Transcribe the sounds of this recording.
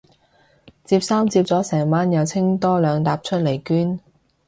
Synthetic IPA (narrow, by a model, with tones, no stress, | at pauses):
t͡siː˧p̚saː˥mt͡siː˧p̚t͡sɔː˨˥sɛː˨˩ŋmaː˥njɐ˨˧wt͡sʰɪ˥ŋt̪ɔː˥lœː˨˧ŋt̪aː˧p̚t͡ʃʰɵ˥t̚le˨˩jkyː˥n